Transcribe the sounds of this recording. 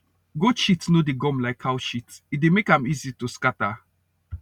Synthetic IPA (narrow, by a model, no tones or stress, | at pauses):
ɡoʃitnodeɡɔ̃mlaɪkʰawʃitit̚demekãmizituskata